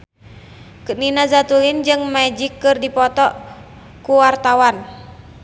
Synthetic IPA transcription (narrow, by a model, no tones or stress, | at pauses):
kɨninazat̪ulind͡ʒɨŋmad͡ʒikːɨrdipɔt̪ɔ | kuwart̪awan